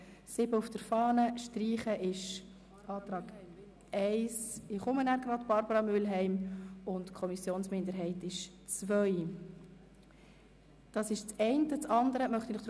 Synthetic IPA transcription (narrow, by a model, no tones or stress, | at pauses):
sɪbəʊfd̥əɾfɑːnəʃtriːχəʔɪʃ | ɑːt̪ɾɑːɡ̥ | ɛɪsɪχʊmənæɾɡrɑdb̥ɑɾbəɾɑmʏlɦɛɪmʊntkʰɔmisjoːnsmɪndəɾɦɛɪtɪʃ | t͡svœʏ | d̥ɑːsɪʃt͡sɛɪntət͡sɑndəɾəmœχt̪inɪχd̥ɾ